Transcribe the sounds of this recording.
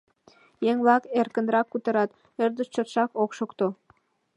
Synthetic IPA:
jeŋβlɑkerkə̆nɾɑkːut̪ə̆ɾɑt̪ | ørd̪əʃt͡ɕot̪ʃɑkokʃokt̪o

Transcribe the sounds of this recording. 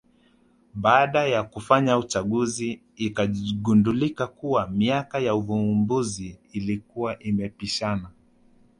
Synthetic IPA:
ɓaːɗajakufaɲaut͡ʃaɠuziː | kaɠundulikakuwamiakajauvumbuziːlikuwaʔimɛpiʃana

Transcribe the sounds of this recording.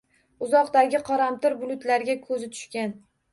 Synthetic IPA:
ʊzɒqd̪aɡʲɪqʰɒɾamt̪ʰɪɾbʊlˠʊt̪laɾɡʲakʰɵzɪt̪ʰʊ̥ʃkʲan

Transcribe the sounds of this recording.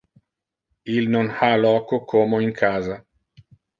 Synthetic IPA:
ilnonhalɔːkokʰomoiŋkʰaːza

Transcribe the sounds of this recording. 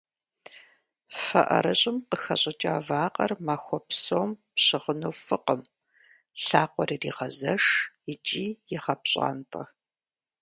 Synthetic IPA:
fɐ̰ʔɐ̰ɾɐɕʼɪmqəxɐɕʼɐt͡ʃʼaːvaːqɐrmaːxʷɔpsoːmpɕɪʁənuːfɨqəm | ɬaːqʷɔɾirḭːʁɐzɐʂjɪt͡ʃʼiːjɪχɐpɕʼa̰ːntʼɐ

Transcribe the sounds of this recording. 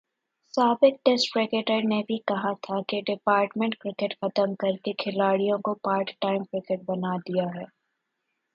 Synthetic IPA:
saːbɪk̚ʈesʈpɾɪkeʈəɾnebʱikɐɦat̪ʰakeɖɪpaːɾʈmẽɳʈ̚kɾɪkeʈxɐt̪əmkɐɾkekʰɪlaːɽijõkopaːɾkʈaːɪmkɾɪkeʈ̚bɐnad̪ijaɦɛː

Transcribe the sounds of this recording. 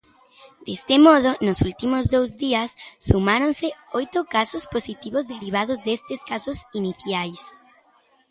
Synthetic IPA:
d̪̥est̪emɔð̞onosult̪imozðowzðiasːumaɾonseojt̪okasosposit̪iβozðeɾiβ̞aðozðest̪eskasosiniθjajs

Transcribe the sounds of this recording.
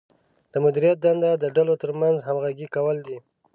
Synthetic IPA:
d̪̥əmʊd̪iɾijat̪̚d̪and̪ad̪əɖalot̪əɾmanzɦamɣaɡikawəld̪i

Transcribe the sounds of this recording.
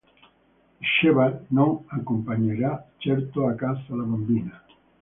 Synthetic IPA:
ʃeβalnõŋakompaɲeɾat͡ʃeɾt̪oakasalaβambina

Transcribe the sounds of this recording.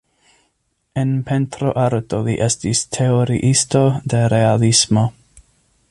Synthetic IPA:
enpʰent̪ɾoʔaɾt̪oliʔestistʰe̞oɾiʔisto̞d̪e̞ɾealismo̞

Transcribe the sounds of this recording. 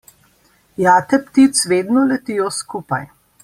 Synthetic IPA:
jaːt̪ɛpt̪it̪sʋeːd̪nɔlɛt̪ijɔskuːpaj

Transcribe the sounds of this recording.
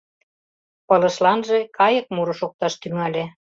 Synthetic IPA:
pɤ̆lə̆ʃlɑnʒekʰɑjə̆k̚muɾoʃok̚t̪ɑʃt̪yŋɑlʲe

